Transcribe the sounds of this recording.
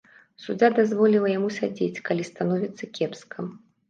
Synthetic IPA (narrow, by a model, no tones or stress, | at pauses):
sud͡zʲad̪azvɔlʲilˠɐjamusʲad͡zʲet͡sʲkalʲist̪anɔvʲit̪sːɐkʲʰɛpskʰɐm